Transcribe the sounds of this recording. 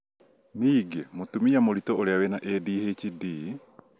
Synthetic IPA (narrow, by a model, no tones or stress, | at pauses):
niːɡemot̪umijamoɾit̪oʔoɾeawenaʔeːdiːhet͡ʃidi